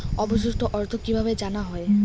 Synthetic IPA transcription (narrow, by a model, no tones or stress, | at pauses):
ɔbosust̪oʔɔɾt̪ʰokːibʱabed͡ʑanaɦɔe